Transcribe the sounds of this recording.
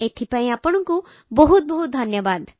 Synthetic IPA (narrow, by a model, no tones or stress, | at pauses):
et̪ʰipaĩapəɽ̃ɔŋku | bɔɦut̪̚bɔɦut̪̚d̪ʱɐnjəbad̪